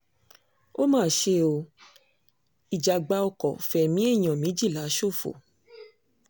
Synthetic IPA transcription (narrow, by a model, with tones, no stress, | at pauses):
o˦mãː˦˨ʃe˧˦o˧ | i˨d͡ʒa˨ɡ͡ba˧˦ɔ˧kɔ˨fɛ˨mĩ˦e˦˨j̃ɔ̃˨mĩ˨˦d͡ʒi˦˨la˨˦ʃo˦˨fo̰˨